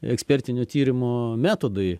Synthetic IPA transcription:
ɛ̰ksʲpʲɛɾʲt̪ʲɪnʲoːt̪ʲiːɾʲɪmoːmʲæːt̪oːd̪ɐɪ

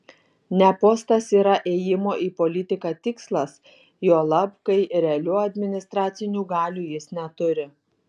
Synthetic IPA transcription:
nʲɛpoːst̪ɐsiːɾɐʔeːjɪmoːʔiːpɔlʲɪt̪ʲɪkɑt̪ʲɪkslˠɐs | joːlˠɐpkɐɪɾʲɛɐlʲuːɐd̪ʲmʲɪnʲɪst̪ɾɑːt̪sʲɪnʲuːɡɑːlʲuːjɪsnʲɛt̪ʊɾʲɪ

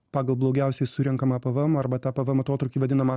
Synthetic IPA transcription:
pɑːɡɐlˠblˠoʊɡʲɛʊsʲɛɪsʊɾʲɛŋkɐmɐpɐʋɐmɐɾbɐt̪ɑːpɐʋɐmɐt̪oːt̪ɾʊkʲiːʋɐd̪ʲɪnɐmɐ

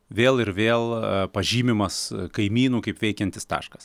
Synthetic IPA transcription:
ʋʲeːlˠɪɾʋʲeːlˠpɐʒʲiːmʲɪmɐskɐɪmʲiːnuːkɐɪpʋʲɛɪkʲɛnʲt̪ʲɪst̪ɑ̰ːʃkɐs

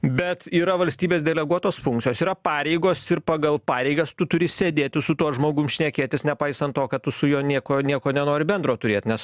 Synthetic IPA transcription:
bʲɛt̪iːɾɐʋɐlʲsʲt̪ʲiːbʲeːsd̪ʲɛlʲɛɡuɔt̪oːsfʊŋkt̪t͡sʲɪjoːsiːɾɐpɑːɾʲɛɪɡoːsɪɾpɑːɡɐlˠpɑːɾʲɛɪɡɐst̪ʊt̪ʊɾʲɪsʲeːd̪ʲeːt̪ʲɪsʊt̪uɔsʒmoːɡʊmʃʲnʲɛkʲeːt̪ʲɪsnʲɛpɐɪsɐnt̪t̪oːkɐt̚t̪ʊsʊjoːnʲiɛkoːnʲiɛkoːnʲɛnoːɾʲɪbʲɛnd̪ɾoːt̪ʊɾʲeːt̪ʲnʲɛs

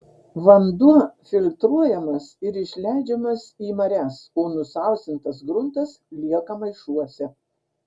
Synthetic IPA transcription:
ʋɐnd̪ufʲɪlʲt̪ɾuɔjɛmɐsɪɾɪʃʲlʲæˑɪd͡ʒʲɛmɐsiːmɐɾʲæːsoːnʊsɐˑʊsʲt̪ʲɪnt̪ɐsɡɾʊnt̪ɐslʲiɛkɐmɐɪʃuɔsʲɛ

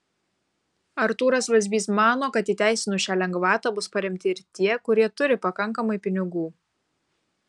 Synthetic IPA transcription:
ɐɾt̪uːɾɐsʋɐzʲbʲiːsmɑːnoːkɐt̪iːt̪ʲæˑɪsʲɪnuːʃʲæːlʲɛŋɡʋɑːt̪ɑːbʊspɐɾʲɛmʲt̪ʲɪɪɾt̪ʲiɛkʊɾʲiɛt̪ʊɾʲɪpɐkɐŋˑkɐmɐɪpʲɪnʲɪɡuː

